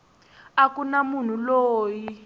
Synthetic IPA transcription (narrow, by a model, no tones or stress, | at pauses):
akunamun̤uloːji